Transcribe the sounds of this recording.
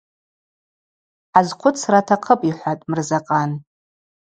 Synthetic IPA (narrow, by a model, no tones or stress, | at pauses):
ħazqʷʰʊt͡sʰratʰaqʰəpʼiħʷatʼmɨrzaqʼan